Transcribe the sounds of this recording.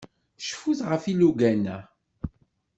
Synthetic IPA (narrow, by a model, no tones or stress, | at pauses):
ʃfuθʁəfiluɡænæ